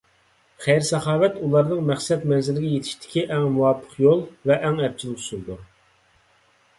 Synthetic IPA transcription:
χæjɾsɛχɑːvɛt̪ulˠɑɾnɨŋmæχsɛt̪mɛnzɪlɪɡʲɛjet̪ʰɪ̥ʃt̪ʰɪ̥kʲiʔɛŋmuwɑpʰːə̥qjolˠvɛʔːŋɛp̚t͡ʃʰilˠɪkʰsuɾd̪u

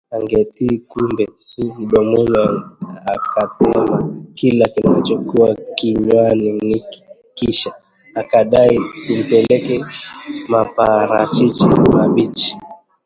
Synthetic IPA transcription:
aŋɡɛtikumbɛɗɔmɔɲaakatɛmakilakinait͡ʃɔkuakiɲwanini̥ | kiʃa | akaɗaikum̩pɛlɛkɛmapaɾat͡ʃit͡ʃḭmaɓit͡ʃi̥

